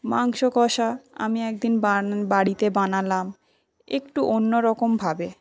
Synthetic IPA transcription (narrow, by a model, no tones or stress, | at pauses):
maŋʃokɔʃaa̰miɛk̚d̪inbabaɽit̪ebanalam | ekʈuʔonːoɾɔkombʱabe